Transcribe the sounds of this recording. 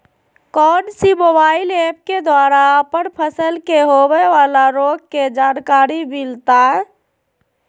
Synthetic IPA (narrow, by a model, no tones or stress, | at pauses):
kɔːnsimobaːɪlep̚ked̪waːɾaəpəɳpʰəsəlkeɦowɛʋaːlaɾoːɡ̚ked͡ʒaːnkaːɾimilt̪aɦɛ